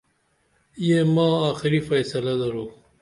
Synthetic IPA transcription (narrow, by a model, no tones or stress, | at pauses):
jemɑ̃ːaːxɪɾifɐjsɐlalɐɾuː